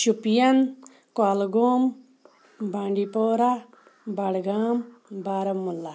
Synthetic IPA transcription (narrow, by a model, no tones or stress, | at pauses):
ʃupijɐn | kwaːlɡoːm | baːɳɖipoːɾa | bɐɽɡaːm | baːɾɐmmːulːa